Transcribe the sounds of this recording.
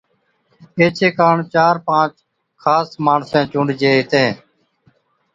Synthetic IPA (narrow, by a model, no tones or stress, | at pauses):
eːt͡ʃʰeːkaːɳt͡ʃaːɾpãːt͡ʃ | kʰaːsmaːɳsɛ̃ːt͡ʃʊ̃ːɳɖd͡ʒeːɦɪt̪ẽː